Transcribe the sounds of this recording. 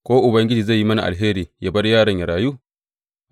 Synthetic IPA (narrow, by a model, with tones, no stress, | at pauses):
kʷoː˦ʔʊ˨bɐ˦ŋɡʲɪ˦d͡ʒiː˨za˦˨jːi˦mɐ˦na̰˨ʔa̰˨lɦeː˦ɾiː˨ja˦bɐ˦rjaː˦˨ɽɐ˨ɲja˨ɾaː˨ju˦